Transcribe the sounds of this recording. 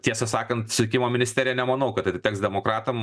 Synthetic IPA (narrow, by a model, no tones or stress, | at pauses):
t̪ʲiɛsɐsɑːkɐnt̪sʊt̪ʲɪkʲɪmoːmʲɪnʲɪsʲt̪ʲeːɾʲɪjɛnʲɛmɐnɐʊkɐt̪ɐɪt̪t̪ʲɛːksd̪ʲɛmoːkɾɑːt̪ɐm